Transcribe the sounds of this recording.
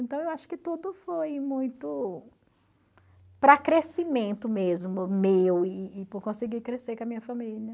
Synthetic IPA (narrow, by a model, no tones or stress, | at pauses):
ẽnt̪ɐ̃w̃ewaʃʊ̥kɪt̪ud̪ʊfojmũj̃t̪ʊ | pɾɐkɾesimẽnt̪ʊmezmʊmewɪːpʊɾkõsɪɡikɾesekɐmĩɲɐfɐmilɐ